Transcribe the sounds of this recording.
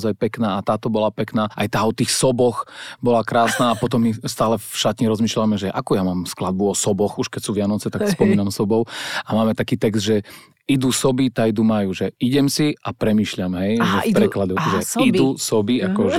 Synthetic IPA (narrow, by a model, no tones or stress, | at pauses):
zajpɛknaːat̪aːt̪ɔbɔlapɛknaːʔajt̪aːɔt̪iːxsɔbɔxbɔlakɾaːsnaːpɔt̪̬ɔmːist̪aːlɛfʃat̪ɲiɾɔzmiːʃlamɛʒɛʔakujamaːmsklad̪̚buɔsɔbɔxuʃkɛcsuːʋɪanɔt͡sɛt̪akspɔmiːnamsɔbɔʊamaːmɛt̪akiːt̪ɛɡzd̪ʒɛ | id̪usɔbit̪ajd̪umajuːʒɛiɟɛmsiapɾɛmiːʃʎamɦɛjʒɛpɾɛklad̪ɔʒɛid̪usɔbiakɔʒ